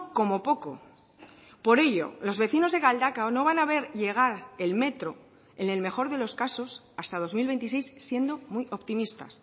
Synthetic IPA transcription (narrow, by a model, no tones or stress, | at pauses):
ko̞mo̞po̞ko̞̰ | po̞ɾe̞ʝo̞̰lo̞zβe̞θino̞zðe̞ɣald̪akaono̞β̞anaβ̞e̞ɾʎe̞ɣ̞aɾe̞lme̞t̪ɾo̞ | e̞ne̞lme̞xo̞ɾðe̞lo̞skaso̞s | ast̪að̞o̞zmilβe̞nt̪is̬e̞jsːje̞nd̪o̞muijʔopt̪imist̪a̰s